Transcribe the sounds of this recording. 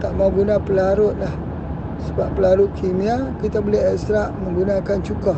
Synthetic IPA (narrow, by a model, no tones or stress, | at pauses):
t̪aʔmaɡunapəlaɾʊt̪̚lah | səbappːəlaɾʊt̪̚kʰimiakit̪abəliɦɛkst̪ɾaʔməŋɡunakant͡ʃukah